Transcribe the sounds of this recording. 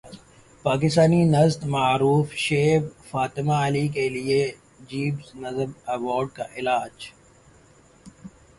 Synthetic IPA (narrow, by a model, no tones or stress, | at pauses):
paːk̬ɪst̪aːninɐzt̪maːɾuːfʃeːbfaːt̪ɪmaəlikelie | d͡ʒiːbznɐzəmɐʋɔːɾɖ̚ka̰ʔɪlaːd͡ʒ